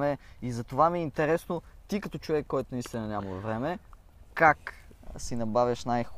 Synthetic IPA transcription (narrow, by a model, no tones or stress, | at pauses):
ɛizɐt̪ovamiɛint̪ɛɾɛsnot̪ikɐt̪ɔt͡ʃʊvɛkːɔjt̪ʊnist̪ʲinɐnʲamɐlvɾɛmɛ | kaksinɐbavʲjɐʃnajx